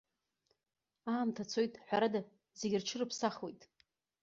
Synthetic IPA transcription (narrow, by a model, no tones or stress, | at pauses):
aːmtʰat͡sʰo̞jtʼħʷᶣaɾada | zeɡʲɪrt͡ʃʰɨrɨpʰsaχwo̞jtʼ